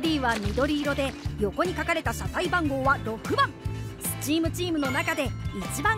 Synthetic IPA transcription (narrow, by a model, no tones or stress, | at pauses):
d̪ʲiːβamʲid̪o̞ɾʲiːɾo̞d̪e̞jo̞ko̞ɲ̟ikakaɾe̞t̪asakaibãŋɡo̞ːβaɾo̞kɯ̟bãŋsɨ̥t͡ɕiːmɯ̟t͡ɕiːmɯ̟no̞nakad̪e̞it͡ɕibã